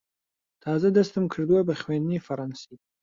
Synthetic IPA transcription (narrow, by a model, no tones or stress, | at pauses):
t̪ʰaːzad̪ɐst̪ɨmkʰɨɾd̪wabɐχwenifɐɾɑnsi